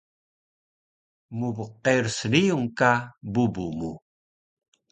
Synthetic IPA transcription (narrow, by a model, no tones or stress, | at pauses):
mubuqːersənijuŋkabubumu